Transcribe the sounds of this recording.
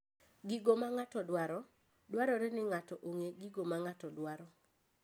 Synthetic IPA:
ɡiɡomaŋatɔdwaɾɔ | dwaɾɔɾɛnɪŋatɔʔoŋeɡiɡomaŋatɔdwaɾɔ

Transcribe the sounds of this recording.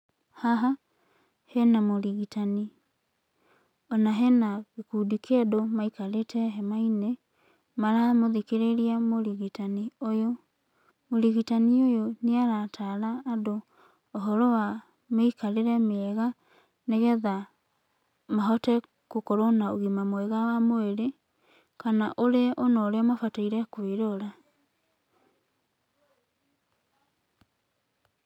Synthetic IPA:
haɦa | hɛnamoɾiɣitani | ɔnaɦɛnaɣekudikedomaikaɾetʰɛɦɛmaine | maɾamoðikeɾeɾiamoɾiɣitaniojo | moɾiɣitaniojoneaɾatʰaɾaːdoː | ɦɔɾɔwa | meikaɾeɾɛmɛɣa | neɣɛða | maɦɔtɛ | kokoɾonaoɣimamweɣawamoeɾe | kanaʔoɾeonɔɾemafataiɾɛkweɾoɾa

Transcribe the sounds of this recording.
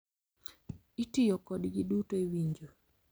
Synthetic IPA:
itijɔkɔdɡidutoewiɲd͡ʒo

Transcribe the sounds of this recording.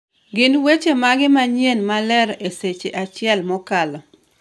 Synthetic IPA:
ɡɪnwet͡ʃemaɡɪmaɲjenmalɛɾeset͡ʃeʔat͡ʃɪɛlmɔkalɔ

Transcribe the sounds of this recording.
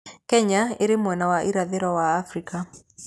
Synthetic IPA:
kɛɲaeɾemwɛnawaʔiɾaðeɾwawaːfɾika

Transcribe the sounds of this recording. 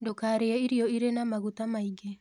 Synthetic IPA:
dokaɾeaiɾioiɾenamaɣut̪amaiɡe

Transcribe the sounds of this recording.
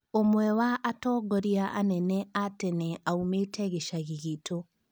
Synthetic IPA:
omwɛwaʔːtɔːɡɔɾiaʔa̰nɛnɛatɛnɛaumetɛɣeʃaɣiɣeto

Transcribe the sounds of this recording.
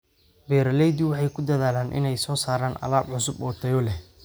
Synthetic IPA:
bɛːɾɐlɛjd̪uwɑħɑjkʰʊd̪ɐðaːlaːnʔɪ̰nɛjsɔːsaːɾaːnɐ̰laːbʕʊsʊbɔːt̪ʰɐjɔlɛ

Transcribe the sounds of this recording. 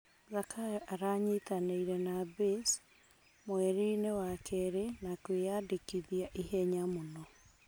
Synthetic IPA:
zakʰaaɾaɲetaneiɾɛnabes | mwɛɾinewakʰɛɾenakwejadekiðiaʔiɦɛɲamonɔ

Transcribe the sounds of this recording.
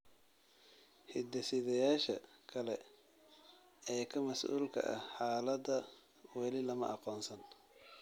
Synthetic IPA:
hɪd̪ɐsɪðɐjaːʃɐkʰɐlɛ | ɛːkʰɐmɐsʔṵːlkʰɐ̰ʔɐ̰hħaːlɐd̪ɐ | wɛlɪlɐmɐ̰ʔɑqɔːnsɐn

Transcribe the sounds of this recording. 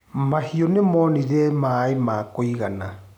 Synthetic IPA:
mahiɔnemɔniɾɛmaimaːkoiɣana

